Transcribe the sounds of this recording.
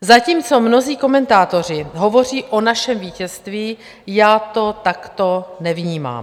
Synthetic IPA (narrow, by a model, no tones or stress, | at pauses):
zaciːmt͡so̞mno̞ziːko̞mɛnt̪aːt̪o̞r̝ɪɦo̞vo̞r̝iːʔo̞naʃɛmviːcɛst̪viː | jaːt̪o̞t̪akt̪o̞nɛvɲiːma̰ːm